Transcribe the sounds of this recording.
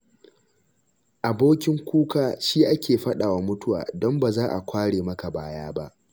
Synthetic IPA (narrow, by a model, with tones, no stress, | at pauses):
ʔa˨boː˦kʲɪ˦ŋkʷuː˦kaː˨ʃiː˦ʔa˦kʲeː˨ɸɐ˦ɗaː˨wa˦mʊ˦tʊ˦wa̰ː˨dɔ˦mbaː˨zaː˦ʔa˨kʷʰaː˦ɽeː˨mɐ˦ka˨baː˦jaː˦ba˦ʔ